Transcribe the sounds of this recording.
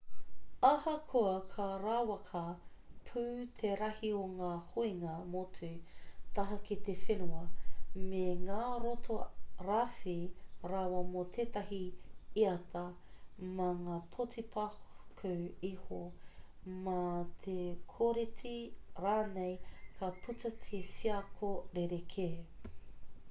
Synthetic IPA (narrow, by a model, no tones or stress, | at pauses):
ɐhɐkʰoɐkʰɐɾaːwɐkʰɐpʰʉːt̪ʰeɾɐhioŋaːhuiŋɐmotʰʉt̪ɐɦɐkit̪efenuɐmeŋaːɾot̪ʰoɾafeɾaːwɐmot̪ʰeːt̪ɐɦiiɐt̪ɐ | maŋaːpʰotipʰahkʰɐwiho | mat̪ʰekʰoɾetiɾaːnejkʰaputɐt̪ʰefiɐkʰoɾeɾekʰe